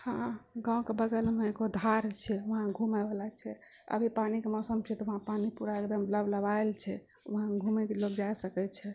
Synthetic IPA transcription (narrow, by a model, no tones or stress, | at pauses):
hãɡãw̃kebəɡəlmeeɡod̪ʱaɾt͡ʃʰɛʋəɦãɡʱumabelat͡ʃʰɛ | ə̰bʱipanikemɔsəmt͡ʃʰɛt̪ɔəɦãpanipuɾaekd̪əmləbləbaelt͡ʃʰɛ | ʋəɦãɡʱumɛkelokd͡ʒasəkɛt͡ʃʰɛ